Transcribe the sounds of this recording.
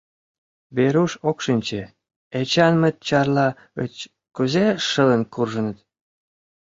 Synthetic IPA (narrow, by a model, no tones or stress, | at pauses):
βeɾuʃokʃinʲt͡ɕe | et͡ɕɑnmə̆t̪̚t͡ɕɑrlɑ | ə̰t͡ɕ | kuzeʃə̆lənkurʒə̆nə̆t̪